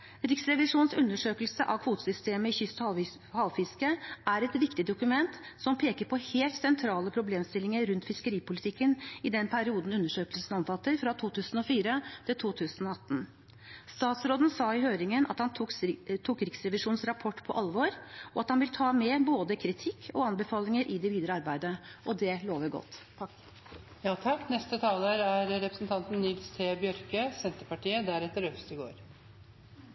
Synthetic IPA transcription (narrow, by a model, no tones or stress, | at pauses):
ɾɪksɾɛʋɪʂuːnsʉnːəʂøːkəlsəʔɑʋkʰʋuːt̪əsʏst̪eːməɪçʏst̪h | hɑʊfɪskəæɾɛt̪ʋɪkt̪ɪd̪ʊkʉmɛnt̪sɔmpʰeːkəɾpʰɔheːlt̪sɛnt̪ʰɾɑːləpʰɾʊbleːmst̪ɪlːɪŋəɾʉnt̪fɪskəɾiːpʊlɪt̪ʰɪkːənɪd̪ɛnpʰæɾɪuːd̪n̩ʉnːəʂøːkəlsn̩ɔnfɑt̪ːəɾfɾɑt̪ʰuːt̪ʰʉːsən̩ɔfiːɾət̪ʰɪlt̪ʰuːt̪ʰʉːsənɔɑt̪ːn̩ | st̪ɑːt̪sɾoːd̪n̩sɑːɪɦøːɾɪŋənʔɑ̰t̪hɑnt̪ʰuːkɾɪksɾɛʋɪʂuːnsɾɑpʰɔʈːpʰɔ̰ʔɑlʋoːɾɔɑt̪hɑnʋɪlt̪ʰɑːmɛboːd̪əkʰɾɪt̪ʰɪkʰːɔɑnbɛfɑːlɪŋəɾʔɪd̪ɛʋiːd̪ɾəɑɾbæɪd̪əʔɔd̪ɛloːʋæɡɔ̰t̪ː | jɑːt̪ʰɑkːnɛst̪ət̪ʰɑːləːɾæɾɾɛpɾəsnt̪ʰɑnt̪n̩nʏɡ̪st̪ʰeːbjœɾkəsɛnt̪əpɑʈiːəd̪æɾɛt̪ːəɾœfst̪ɪɡo̰ːɾ